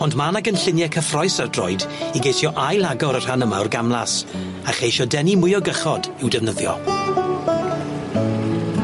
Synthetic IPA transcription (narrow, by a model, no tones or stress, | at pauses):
ɔndmanaɡənɬɪnjɛkʰəfrɔjsardrɔ̰ɨdiɡejθjɔʔajlˠaɡɔɾər̥hanəmaʊrɡamlˠas | aχejʃɔdɛnimʊjɔɡəχɔdɪwdɛvnəðjɔ̰